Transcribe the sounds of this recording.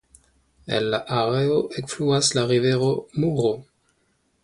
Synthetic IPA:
ḛnlaʔaɾeoʔekfluaslaʁive̞ɾo̞muɾo

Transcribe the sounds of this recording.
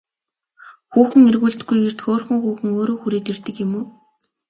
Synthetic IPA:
xuːxɘ̆ŋerɣuːɮt̪ɡujer̥t̪xoːrxə̆ŋxuːxɘ̆ŋoːɾoːxuɾiːt̪ert̪ɘ̆kjɪ̆muː

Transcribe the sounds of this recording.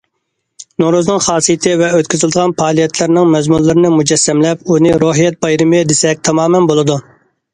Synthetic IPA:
noɾuznɨŋχɑːsijɪt̪ʰɪvɛøt̪ʲkʲyzɪld̪əʁɑnpʰɑːlˠijɛt̪ʰlɪɾnɪŋmɛzmulːɨɾɨnɪmud͡ʒɛsːɛmlɛpunɪɾoɦijɛt̪̚bɑjɾɨmɪd̪esɛk̚ʲt̪ʰɑmɑːmɛnbolˠɨd̪u

